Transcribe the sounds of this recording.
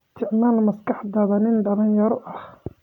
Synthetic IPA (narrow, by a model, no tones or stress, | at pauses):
st̪ʰɪʕmaːlmɐskɑħd̪ɐðɐnɪnɖɐlɪnjɐɾɔʔɐh